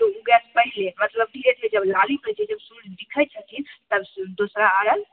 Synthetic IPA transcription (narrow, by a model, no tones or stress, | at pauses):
t̪ouɡɛspəɦɪlemət̪ləb̚ɖʱiɾeʈed͡ʒəblalimət͡ʃʰed͡ʒəbsund̪ikʰət͡ʃʰət̪it̪əbd̪osɾaəɽəl